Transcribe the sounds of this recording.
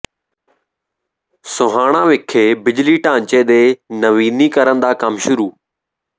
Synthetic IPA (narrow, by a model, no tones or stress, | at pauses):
sʊɦaːɳ̃ãːʋɪkʰeːbɪd͡ʒliːʈãːɲt͡ʃeːd̪eːnəʋiːniːkəɾənd̪aːkəmʃʊɾuː